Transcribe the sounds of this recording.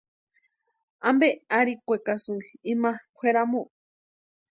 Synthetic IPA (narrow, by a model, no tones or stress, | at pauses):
ambeaɾikʷekasɨimãkʷʰeɾamũʔ